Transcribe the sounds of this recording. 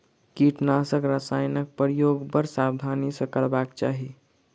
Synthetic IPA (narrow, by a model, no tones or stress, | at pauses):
kiʈnasəkɾəsajnək̚pəɾjoɡbəɾsabd̪ʱanisəkəɭbakt͡ʃaɦi